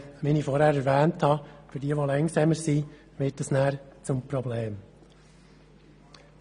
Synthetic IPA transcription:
minifɔɾhæːɾɛɾʋæːnthɑfɪɾdiəʋolɛŋsɛməɾsi | ʋɪːt̚dɑsnæːɾt͡sʊmpɾɔbleːm

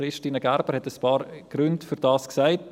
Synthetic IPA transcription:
ɾɪʃtiːnəɡ̥æɾbəɾhɛtəspɑːɾɡ̥ɾʉntfyɾd̥ɑːsksaɪt

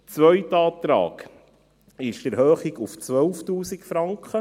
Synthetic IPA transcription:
t͡sʋœjtɑːt̪ɾɑ̰ːɡ | ɪʃd̥əɾɦøːχiɡuft͡sʋœlftuːsikfɾɑŋkχə

